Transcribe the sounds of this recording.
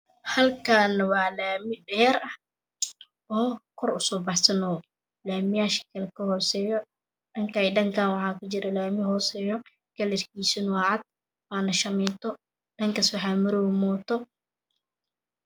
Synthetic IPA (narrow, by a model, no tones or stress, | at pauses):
hɐlkʰaːnwɑːlaːmɪbɛːɾɐ | ɔːkʰɔrʊsɔːbɑħsɐnɔ | laːmɪjaːʃɪ̥kʰɐlɛkʰɐhɔːsɛːjɔ | ɖɐŋkʰɐdɐŋkʰaːnwɑħɑːkʊt͡ʃɪɾɐlaːmɪhɔːsɛːjɔ | kʰɐlɪrkʰiːsɪnwaːʕɑd̪̚ | waːnɐʃɐmɛːnt̪ʰɔ | ɖ̥ɐŋkɐswɑħaːmɪɾɔmɔːt̪ʰɔ